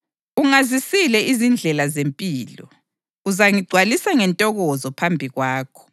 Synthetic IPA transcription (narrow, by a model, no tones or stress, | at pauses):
uŋazisilɛʔizind͡ɮʱɛlazempʼiːlɔ̰ | uzaŋiɡ͡ǀʱwalisaŋɛntʼɔɣɔzɔpʰambʱiɣwaːkʰɔ̥